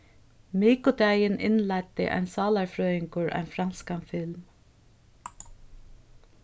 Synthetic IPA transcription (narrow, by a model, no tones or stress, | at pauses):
miːkʊd̪æɪnʔɪ̰nlæɪt̪ɪ̰ʔæ̰ɪnsɑːlaɹfɾœːɪŋkʊɹʔæ̰ɪnfɾanskanfɪlm